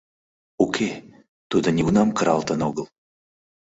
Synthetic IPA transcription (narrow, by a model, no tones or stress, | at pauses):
ukʲʰe | t̪ud̪ɤ̆nʲiunɑmkəɾɑ̰lˠt̪ənoɡəlˠ